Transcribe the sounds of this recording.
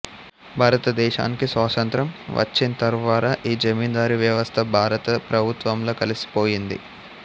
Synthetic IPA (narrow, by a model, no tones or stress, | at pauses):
bʱaːɾɐt̪ɐd̪ɛːʃa̰ːnikisʋaːt̪ɐnt̪ɾɐmʋʔɐ̰t͡ʃːinɐt̪ɐɾʋaːɾaʔiːd͡ʒɐmiːnd̪aːɾiʋjɐʋɐst̪ʰɐbʱaːɾɐt̪ɐpɾɐbʱut̪ʋɐmlo̞ːkɐlisi̥po̞ːjind̪ḭ